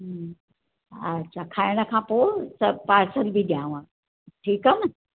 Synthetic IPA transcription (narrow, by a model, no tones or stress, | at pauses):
ɦ | ətːɕʰakʰajɽ̃əkʰãposəpaːɾsəlbʱid̪jãʋã | ʈʰiːkən